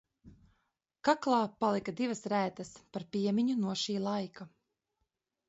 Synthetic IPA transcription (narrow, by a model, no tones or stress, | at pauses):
kaklˠɑːpalˠikad̪ivɐsɾæːt̪aspaɾpiɛmʲiɲunuɔʃiːlˠajkʰa